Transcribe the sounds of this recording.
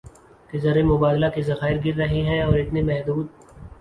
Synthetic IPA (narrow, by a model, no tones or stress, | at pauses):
kezɐɾemʊbaːd̪lakezɐxaːɪɾɡɪɾːɐɦeɦɛ̃ɔːɾɪt̪nemɛɦd̪uːd̪̚